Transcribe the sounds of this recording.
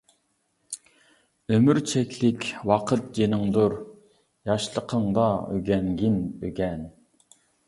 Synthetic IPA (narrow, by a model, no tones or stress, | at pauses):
ømyɾt͡ʃʰɛkʲʰlɪkʲwɑqʰət̪̚d͡ʒenɪŋd̪uɾ | jɑʃlˠəqʰəŋd̪ɑøɡʲɛnɡʲinøɡʲɛn